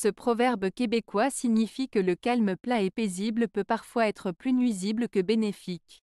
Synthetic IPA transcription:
səpχɔvɛʁbkʲebekwasiɲifikələkalməplãɛpezibləpøpaʁfwaɛt̪χəplynɥizibləkəbenefikʲ

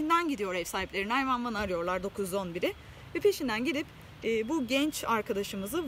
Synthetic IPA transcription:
ind̪ænɟid̪ijo̞ɾɛfsaːiplʲeɾinajmanvanaɾɯjo̞ɾlˠaɾd̪o̞kʰuzo̞nbiɾɪ | vɛpʰe̞ʃind̪ænɟid̪ʲipː | buɟɛnt͡ʃaɾkʰad̪aʃɯmɯzɯ

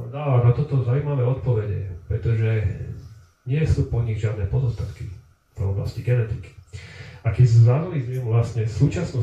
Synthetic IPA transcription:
nɔanat̪ɔt̪ɔzaʊuːmaʋɛːɔt̪pɔʋɛɟɛ̰pɾɛt̪ɔʒɛ | ɲɪɛsuːpɔɲiɣʒɪad̪nɛːpɔzɔst̪at̪ki | v̥ɔ̰bla̰sciɡɛnɛt̪iki̥akɛcszanulizmimʋlasɲɛsuːt͡ʃasnu

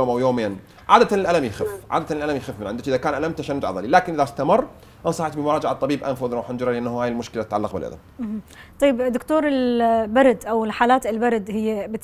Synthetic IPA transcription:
oːmʔawjoːmeːn | ʕa̰ːd̪at̪anɪlʔalamjɪxɪfʕa̰ːd̪at̪anɪlʔalamjxɪfːmɪnʕɪnd̪t͡ʃʔɪðakaːnʔalamt̪aʃanːʊd͡ʒ̪ʕɑ̰ðˤɑlilaːkɪnʔɪðast̪amɑrˤː | ʔnsˤɑħt̪bɪmʊɾˤɑːd͡ʒaʕt̪ˤːɑbiːbʔa̰nfʊðɾɑħand͡ʒɾˤɑlʔanːhhaːjɪlmʊʃkɪlat̪ɪt̪ʕalːɑqbɪlʔa̰la̰mm̩t̪ˤɑjːɪbd̪ːʊkt̪oːɾˤɪlbaɾˤd̪ʔawɪlħaːlaːt̪ɪlbaɾˤd̪hɪjːabɪt̪

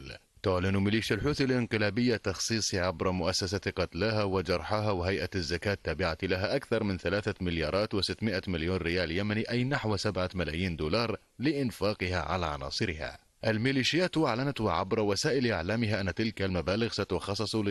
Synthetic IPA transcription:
lt̪ʊʕlɪnmɪliːʃjalħuːθalʔɪnqɨlaːbɪjːat̪ɑxsˤiːsˤiʕabɾˤɑmʊʔasːasaqɑt̪laːɦawɪd͡ʒɑɾˤħaɦawɪɦajʔazːakaːt̪ːaːbɪʕat̪laɦaʔakθɑɾˤmɪnθalaːθamɪljɑːɾˤɑːt̪wɪsɪt̪ːmɪʔamɪljoːnɾɪjaːljamaniʔajnaħwsabʕamalaːjiːnd̪uːlɑːɾˤ | lɪʔɪnfɑːqɨhaʕa̰la̰ʕɑ̰nɑ̰ːsˤɨɾɪha̰ː | ʔalmɪliːʃɪjaːt̪ʔaʕlanat̪wɪʕa̰bɾˤɑwasaːʔɪlʔaʕlaːmɪɦaʔanːat̪ɪlkalmabaːlɪɣsat̪ʊxɑsˤːɨsˤlɪ

